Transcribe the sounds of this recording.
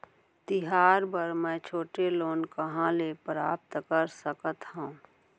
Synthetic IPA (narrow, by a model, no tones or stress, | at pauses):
t̪ɪɦaːɾbəɾmɛ̃ːt͡ʃʰoːʈeloːnkəɦãlepɾaːp̚t̪kəɾsəkət̪ɦõː